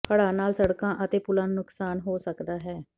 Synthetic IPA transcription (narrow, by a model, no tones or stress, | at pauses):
pʰəɽaːnaːlsəɽkãːʔət̪eːpʊlãːnʊksaːnɦoːsəkd̪aːɦɛː